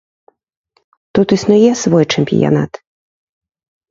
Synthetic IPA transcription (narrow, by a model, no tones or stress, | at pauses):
t̪ut̪isnujɛsvɔjt͡ʂɛmʲpʲḭja̰na̰t̪